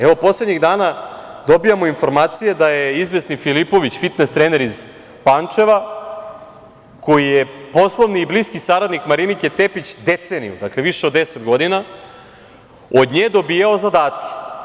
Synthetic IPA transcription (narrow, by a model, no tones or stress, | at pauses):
eʋo̞po̞sle̞d̪ɲiɣd̪aːnad̪o̞bijamoinfo̞ɾmaːt̪sije̞d̪ajeizʋe̞snifilipo̞ʋit͡ɕfit̪nest̪ɾeːne̞ɾiz | pant͡ʂe̞ʋa | ko̞jijepo̞slˠoʋniːbliːskisaɾad̪nikmaɾinike̞t̪e̞pit͡ɕd̪et̪senḭjṵd̪akle̞ʋiʃeod̪ːesed̪ɡo̞d̪ina | o̞d̪ɲeːd̪o̞biːjao̞zad̪aːt̪kʲʰe̥